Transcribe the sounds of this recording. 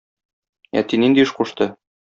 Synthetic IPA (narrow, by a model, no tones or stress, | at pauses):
æ̰t̪inind̪iɤʃquʃt̪ɤ